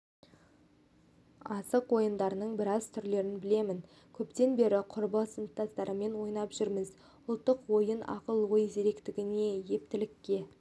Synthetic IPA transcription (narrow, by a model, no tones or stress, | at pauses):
ɑsəqwo̞jənd̪ɑɾənəɴbɪɾɑzt̪ʰʏɾle̞ɾɪnbɪle̞mɪn | kʲʰɵpt̪e̞nbe̞ɾɪqʰʊɾbəsənt̪ːɑst̪ɑɾəme̞nwo̞jnɑpʒ̥ʏɾmɪz | ʊlˠt̪ːəqwo̞jənɑ̰qəlˠwojzeɾe̞kt̪ɪɡʲɪne̞je̞p̚t̪ɪlɪkʲːe̞